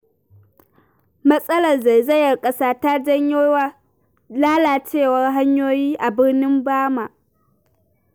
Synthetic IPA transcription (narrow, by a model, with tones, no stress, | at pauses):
mɐ˦sʼɐ˦lɐ˨rza˨jzɐ˦jɐ˨rkʼɐ˦saː˦ta˦d͡ʒɐ˦ɲjoː˦wa˦ | laː˦laː˨t͡ʃeː˦˨wɐ˦rɦa˦ɲjoː˦jiː˦ʔa˨bɪ˦rnɪ˦mbaː˦ma˨ʔ